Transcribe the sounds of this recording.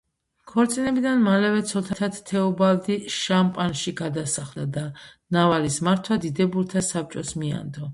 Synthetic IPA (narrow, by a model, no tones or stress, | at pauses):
kʰɔɾt̪sʼinɛbid̪anmalɛvɛt̪sʰɔt̪ʰat̪ʰat̪t̪ʰɛɔbald̪iʃampʼanʃiɡad̪asaχld̪ad̪a | navalismaɾt̪ʰwad̪id̪ɛbuɾt̪ʰasap̚t͡ʃʼɔsmia̰nd̪ɔ